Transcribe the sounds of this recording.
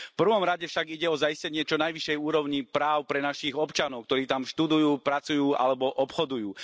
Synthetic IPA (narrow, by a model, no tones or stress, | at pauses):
fpr̩ʋɔmɾaɟɛfʃaɡiɟɛɔzajiscɛɲɪɛt͡ʃɔnajʋiʃɛjuːɾɔʊɲipɾaːʊpɾɛnaʃiɣɔpt͡ʃanɔʊk̚t̪ɔɾiːt̪amʃt̪ud̪ujuːpɾat͡sujuːʔa̰lɛbɔʔɔpxɔd̪ujuː